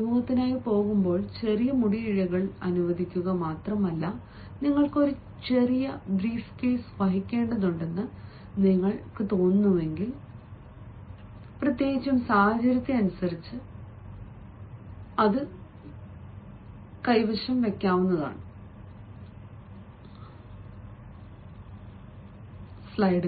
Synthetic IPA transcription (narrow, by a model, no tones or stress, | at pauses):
imuːɣɐt̪ːinaːjipo̞ːɣumbo̞ːɭt͡ɕe̞rijɐmuɽiiɻɐɣɐɭɐnuʋɐd̪ʱikʲːuɣɐmaːt̪rɐmɐlːɐ | niŋːɐɭko̞ɾu | t͡ɕe̞rijɐbriːfke̞ːsʋɐɦikʲːe̞ːɳɖɐðuɳɖe̞nːɨ | niŋːɐɭkɨt̪o̞ːnːue̞ŋɡil | prɐt̪je̞ːɡit͡ɕːumsaːhɐd͡ʑɐɾɐt̪ːeɐnusɐɾit͡ɕːɨ | ɐðɨ | kɐjʋɐʂɐmʋe̞kʲːaːʋunːɐða̰ːɳɨ | slɐjɖɨ